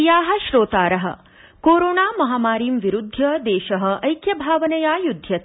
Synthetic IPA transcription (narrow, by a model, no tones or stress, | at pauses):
jaːɦɐ̆ʃɾoːt̪aːɾɐɦɐ̰̆ | koːɾoːnaːmɐɦaːmaːɾiːmʋiɾud̪ʱːjɐd̪eːʃɐɦɐ̆ʔɐjkjɐbʱaːʋɐnɐjaːjud̪ʱjɐt̪